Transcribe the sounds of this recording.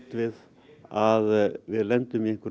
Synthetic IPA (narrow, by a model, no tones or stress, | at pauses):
t̪vɪð | aðʋɪðlɛnt̪ʏmjɛk